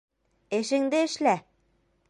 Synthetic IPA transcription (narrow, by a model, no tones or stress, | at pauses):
ɘ̆ʃɘ̆ŋd̪ɘɘ̆ʃlæ